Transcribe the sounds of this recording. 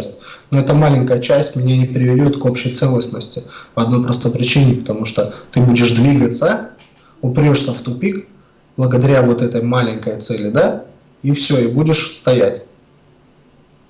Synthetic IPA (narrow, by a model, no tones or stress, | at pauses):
sʲtʲnoɛt̪əmalʲɪŋʲkəjət͡ɕæsʲtʲmnʲenʲɪpɾʲɪvʲɪlʲot̪ko̞pɕɪjt̪sɛlˠəsnəsʲtʲɪpəɐd̪no̞jpɾɐst̪o̞jpɾʲɪt͡ɕinʲɪpə̥t̪ɐmuʂt̪ot̪ɨbudʲɪʂd̪vʲiɡət̪sə | ʊpʲɾʲoʂsʲəft̪ʊpʲik | b̥lˠəɡəd̪ɐɾʲavo̞t̪ɛt̪əjmalʲɪnŋʲkəjt̪sɛlʲɪd̪a | ifsʲoibudʲɪʂst̪ɐjætʲ